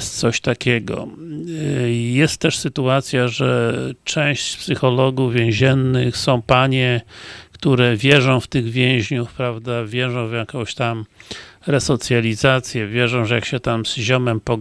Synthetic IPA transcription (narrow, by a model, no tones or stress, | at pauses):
st̪̚t̪sɔɕt̪akʲɛɡɔ̰ | jɛst̪ːɛʂsɘt̪uat̪sʲjaʐɛt͡ʂɛ̃w̃ɕt͡ɕspsɘxɔlɔɡuvvʲjɛ̃w̃ʑɛnːɘxsɔ̃w̃paɲɛkt̪uɾɛvʲjɛʐɔ̃w̃ft̪ɘɣvʲjɛ̃w̃ʑɲufpɾavd̪avʲjɛʐɔ̃w̃vjakɔ̃w̃ɕt̪amɾɛsɔt̪sʲjalʲizat̪sʲjɛvʲjɛʐɔ̃w̃ʐɛjakɕɛt̪amz̥ʑɔmɛmpɔɡ